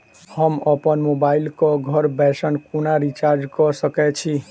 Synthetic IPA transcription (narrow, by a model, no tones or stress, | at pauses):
həməpənmobailkɔɡʱʌɾbɛsənkunaɾit͡ʃaɾd͡ʒkɔsəkɛt͡ʃʰi